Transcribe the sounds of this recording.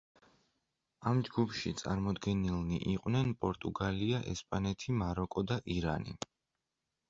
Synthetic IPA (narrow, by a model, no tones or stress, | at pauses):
amd͡ʒɡupʰʃit̪sʼa̰ɾmɔd̪ɡɛnilˠniʔiqʼwnɛnpʼɔɾt̪ʼuɡaliaʔɛ̰spʼanɛt̪ʰimaɾɔkʼɔd̪aʔiɾa̰nḭ